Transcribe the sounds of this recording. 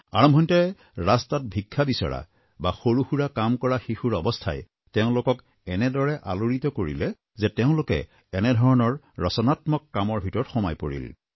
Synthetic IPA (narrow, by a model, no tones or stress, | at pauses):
a̰ɹɔmbʱɔntɛ | ɹastat̚bʱikʰːabisɔ̰ɹa̰ | baxoɹuxuɹakamkɔɹaxixuɹɔbɔstʰa̰j | teʊ̃lʊkɔk | ɛnɛdɔɹɛʔaloɹitɔkoɹḭlɛ | zɛteʊ̃lʊkɛ̰ | ɛnɛdʱɔɹɔnɔɹːɔsɔnatmɔkːamɔɹbʱitɔɹɔtxɔmajpo̰ɹḭl